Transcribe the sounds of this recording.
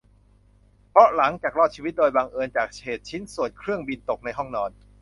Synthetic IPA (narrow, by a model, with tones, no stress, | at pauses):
pʰɾɔ˦˥la˩˦ŋt͡ɕaː˨˩k̚ɾɔː˥˩t͡ɕʰiː˧wi˦t̪̚doː˧jbaː˧ŋʔɤː˧nt͡ɕaː˨˩k̚t͡ɕʰeː˨˩t̪̚t͡ɕʰi˦˥nsu˨˩ənkʰɾɯ˥˩əŋbi˧nt̪o˨˩k̚na˧jɦɔ˥˩ŋnɔː˧n